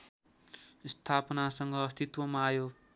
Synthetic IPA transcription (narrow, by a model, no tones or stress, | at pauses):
st̪ʰapʌnasʌŋɡʌːst̪it̪wʌmaːjo